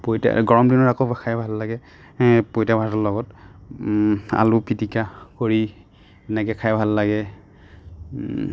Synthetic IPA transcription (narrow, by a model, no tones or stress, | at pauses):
pojta̰ɡɔɹɔmdinɔɹakɔbkʰajbʱalːaɡɛ | pojtabʱatɔlɔɡɔt | a̰lupitikakoɹi | ɛnɛkɛkʰajbʱalːaɡɛ